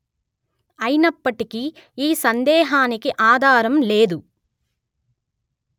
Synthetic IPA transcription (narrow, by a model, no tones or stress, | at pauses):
ɐjinɐpːɐʈikiiːsɐnd̪ɛːɦaːnikiʔaːd̪ʱaːɾɐmleːd̪u